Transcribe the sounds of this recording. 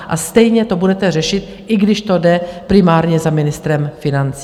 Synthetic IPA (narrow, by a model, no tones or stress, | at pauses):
ʔast̪ɛjɲɛt̪o̞budɛt̪ɛr̝ɛʃɪt̪ | ʔɪɡdɪʃt̪o̞dɛpɾɪmaːɾɲɛzamɪnɪst̪ɾɛmfɪnant͡si